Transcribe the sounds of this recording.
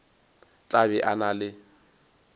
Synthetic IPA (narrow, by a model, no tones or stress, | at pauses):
t͡ɬʼabɛʔanalɪ